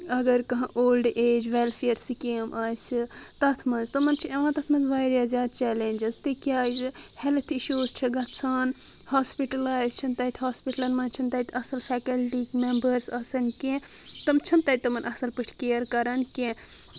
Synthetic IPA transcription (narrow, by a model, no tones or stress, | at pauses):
ɐɡɐɾkɐɦɐ̃ʔoːlɖeːd͡ʒʋelpʰejɐɾsikemʔaːsʲit̪ɐt̪ʰmɐnzt̪ɐmɐnt͡ʃʰiɐʋãːt̪ɐt̪ʰmɐnzʋaːjɾjɐzjaːd̪t͡ʃɛːlend͡ʒɐzt̪ɨkʲjaːzhelt̪ʰiʃuːzt͡ʃʰiɡɐt̪t͡sʰaːn | hoːspiʈɐlaːjzt͡ʃʰɐnt̪ɐːt̪ʰɦoːspiʈɐlɐnmɐnt͡ʃʰɐnt̪ɐːt̪ʰɐsɐlfʰɛːkɐlʈikmembɐɾsɐsɐnkẽ | t̪ɐmt͡ʃʰɐnt̪aːt̪̚ʲt̪ɐmɐnʔɐsɐlpɨʈʰkejəɾkɐɾɐnkẽ